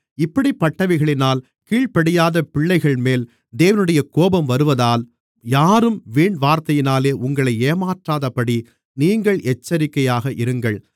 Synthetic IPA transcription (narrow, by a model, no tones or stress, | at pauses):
ɪpːɐɽipːɐʈːɐʋɪɣɐɭɪnaːl | kiːɭpɐɽɪjaːðɐpɪɭːɐɪɣɐɭmeːl | d̪eːʋɐnɯɽɐjɐkoːbɐmʋɐɾɯʋɐðaːl | jaːɾɯmʋiːɳʋaːɾt̪ɐjɪnaːleːʔʊŋɡɐɭɐɪeːmaːʈraːðɐpɐɽi | niːŋɡɐɭʔɛt͡ʃːɐɾɪkːɐjaːɣɐʔɪɾɯŋɡɐɭ